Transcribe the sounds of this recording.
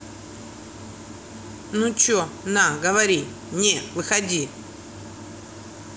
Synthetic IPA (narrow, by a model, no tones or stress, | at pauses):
nũt͡ʃɔnaɡavaɾi | ɲɛwixadi